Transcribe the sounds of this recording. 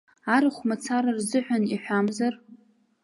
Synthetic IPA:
aɾɨχʷmat͡sʰaɾarzɨħʷᶣaniħʷᶣamzar

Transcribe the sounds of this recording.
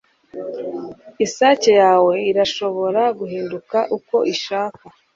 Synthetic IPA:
isaːcejaːwe̞iɾaʃo̞βo̞ɾaɡuhiːndukaʔuko̞ʔiʃaːka

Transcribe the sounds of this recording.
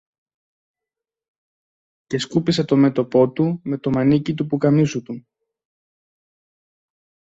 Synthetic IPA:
ce̞skupiset̪o̞me̞t̪o̞po̞t̪ume̞t̪o̞mɐnicit̪̬upukɐmisut̪u

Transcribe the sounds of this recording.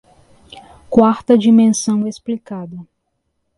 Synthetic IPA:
kwaɾt̪ɐd͡ʒimẽsɐ̃w̃esplikad̪ɐ

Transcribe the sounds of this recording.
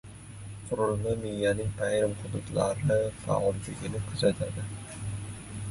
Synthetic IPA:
qʰʊɾʊlˠmamɪjːanɪŋpʰajɾɪmχʊd̪ʊt̪laɾɪfa̰ɒlˠbeɡʲɪnɪkʰʊzat̪ʰad̪ɪ

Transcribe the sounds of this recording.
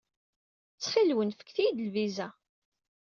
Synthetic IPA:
t͡sːχilwənfə̥kːθijd̪əlvizæ

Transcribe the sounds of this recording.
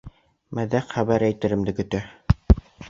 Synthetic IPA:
mæðæqχæβæɾæjt̪ɘ̆ɾɘ̆md̪ɘkɵ̆t̪æ

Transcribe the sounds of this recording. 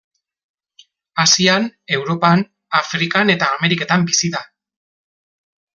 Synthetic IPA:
asiane̞wɾo̞pan | afɾikane̞t̪aːme̞ɾike̞t̪ambisiða

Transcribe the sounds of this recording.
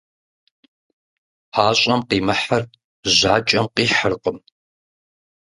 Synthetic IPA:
aːɕʼɐmqiːmɨħar | ʑaːt͡ʃʼɐmqiːħərqəm

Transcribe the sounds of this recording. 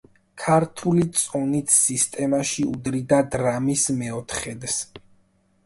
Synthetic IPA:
kʰaɾt̪ʰulit̪sʼɔnit̪ʰsist̪ʼɛmaʃiud̪ɾid̪ad̪ɾamismɛɔt̪ʰχɛd̪s

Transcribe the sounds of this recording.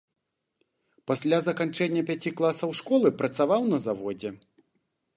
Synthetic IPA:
pasʲlʲazɐkant͡ʂɛnʲːɐpʲat͡sʲiklˠasɐwʂkɔlˠɨpɾɐt̪savawnɐzavɔd͡zʲɛ

